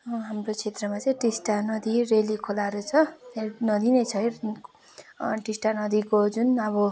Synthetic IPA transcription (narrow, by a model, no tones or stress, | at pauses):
ɦamrot͡sʰet̪rʌmat͡sʌĩʈisʈanʌd̪irelikʰolaɾut͡sʰʌenʌd̪inʌjt͡sʰʌj | ʈisʈanʌd̪ikod͡zunʌβʌ